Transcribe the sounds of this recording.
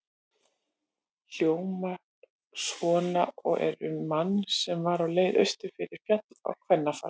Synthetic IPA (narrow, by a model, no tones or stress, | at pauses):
hjoːwma | svɔːnaɔ̰ɣɛ̰ɾʏmːanːsɛmvaɾawleːjðœ̰ɥst̪ʏ̥fɪɾɪɾ̥fjat̪a̰wkʰvɛnːafa̰